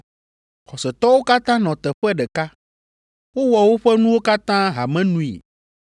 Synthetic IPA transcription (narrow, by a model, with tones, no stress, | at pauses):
xɔ˨sɛ˨t̪ɔ˦wo˦ka˦t̪ã˦nɔ̃˨t̪ɛ˨ɸɛ˦ɖɛ˨ka˦ | wo˦wɔ˨wo˦ɸɛ˦nũ˦wo˦ka˦t̪ã˦ɦa˨mɛ̃˦nũ˦ḭ˨